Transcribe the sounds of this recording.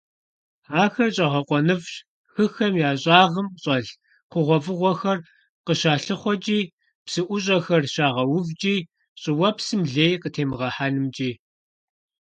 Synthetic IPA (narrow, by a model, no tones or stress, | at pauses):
aːxɐrɕʼɐʁɐqʷʼɔnɨvɕ | xɨxɐmjaːɕʼaːʁəmɕʼɐɮ | qʷʊʁʷɔfɨʁʷɔxɐr | qəɕaːɬɨχʷɔt͡ʃʼiː | psɨʔʷʊɕʼɐxɐrɕaːʁɐwʊvt͡ʃʼiː | ɕʼɪwɐpsɨmɮeːjqətʰeːmɨʁɐħaːnɨmt͡ʃʼiː